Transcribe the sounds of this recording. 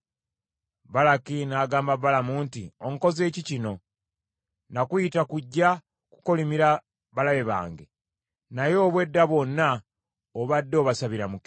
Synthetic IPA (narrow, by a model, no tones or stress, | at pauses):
βalakinaːɡaːmbaβalamuːntḭo̞ŋko̞ze̞ːcicino̞ | nakujitakuɟːa | ku̥ko̞limiɾa | βalaβe̞βa̰ːŋɡe | najo̞ːβwe̞dːaβo̞nːa | oβadːo̞βasaβiɾamuk